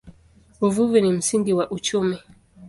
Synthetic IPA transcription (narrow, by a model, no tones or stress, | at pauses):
uvuvinim̩siŋɡiwaʔut͡ʃumi